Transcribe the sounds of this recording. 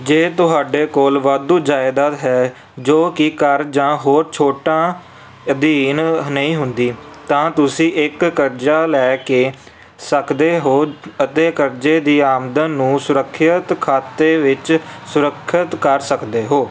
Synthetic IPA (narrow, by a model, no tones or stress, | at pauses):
d͡ʒeːt̪ʊɦaːɖeːkoːlʋaːd̪uːd͡ʒaːɪd̪aːt̪ɦɛː | d͡ʒoːkɪkəɾd͡ʒãːɦoːɾt͡ʃʰoːʈãː | d̪iːnnəĩːɦʊnd̪iːt̪ãːt̪ʊsĩːʔɪkːəɾd͡ʒaːlɛːkeː | səkd̪eːɦoːət̪eːkəɾd͡ʒeːd̪iːaːmd̪ənːũːsʊɾəkʰːət̪kʰaːt̪eːʋɪt͡ʃsʊɾəkʰːət̪kəɾsəkd̪eːɦoː